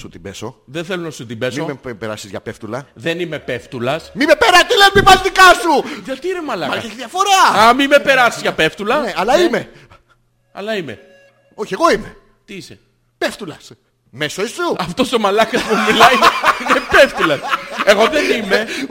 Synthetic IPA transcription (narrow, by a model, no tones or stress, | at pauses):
sut̪imbeso | ðenθelonɐsut̪imbe̞smioepeɾɐ̰sizʝɐ̰peft̪ulɐðe̞nime̞pe̞ft̪ulɐsmimepeɾɐt̪ilepivɐlt̪ikɐsuʝɐt̪iinemɐlɐmɐesiðiɐfo̞ɾɐɐmimepe̞ɾɐsizʝɐpe̞ft̪ulɐneɐlɐime | ɐ̰lɐimḛ | oçieɣo̞ime | t̪iise | peft̪ulɐs | mesoesuɐft̪o̞so̞mɐlɐkɐspumilɐiinepe̞ft̪ulɐseɣo̞ðenime